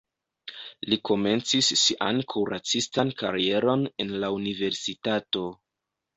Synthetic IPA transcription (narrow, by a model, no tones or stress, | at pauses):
liko̞me̞nt͡sisːiʔa̰nkʰuɾat͡sistanka̰ɾie̞ɾo̞ne̞nlaunive̞ɾsitato̞